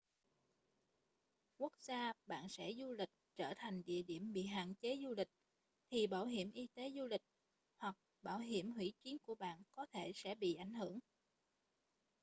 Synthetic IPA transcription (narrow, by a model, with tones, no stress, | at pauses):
ku˦˥ək̚z̥aː˧ɓa̰ː˧˨nsɛ̰˧˥zu˧lï˨˩k̟̚t͡ɕəː˧˩t̪ʰa˨˩jŋ̟ɗḭ˧˨əɗi˧˩əmɓḭ˧˨ɦa̰ː˧˨nt͡ɕe˨˦zu˧lï˨˩k̟̚ | t̪ʰi˨˩ɓaː˧˩wɦi˧˩əmʔi˧t̪e˨˦zu˧lï˨˩k̟̚ | hwa˨˩k̚ | ɓaː˧˩wɦi˧˩əmhwḭ˧˥t͡ɕwi˨˦ənku˧˩əɓa̰ː˧˨nkɔ˨˦t̪ʰe˧˩sɛ̰˧˥ɓḭ˧˨ʔa˧˩jŋ̟hɨ˧˩əŋ